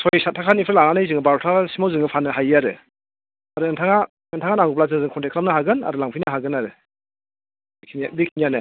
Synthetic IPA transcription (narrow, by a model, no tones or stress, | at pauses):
sʰɔjsatʰakʰanipʰɯɾlaŋanɯjzɯŋɯbaɾɔtʰasimawzɯŋɯpʰanɯɦajaɾɯ | aɾɯɯntʰaŋa | ɯntʰaŋanaŋɡup̬lazɯŋzɯŋkʰɔntʰekʰɾlamnɯɦaɡɯna̰ɾɯlaŋpʰijnaɦaɡɯnaɾɯ | kʰinadikʰinijanɯ